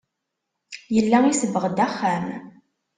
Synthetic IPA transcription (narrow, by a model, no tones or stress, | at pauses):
jəlːæisəvːəʁd̪æχːæm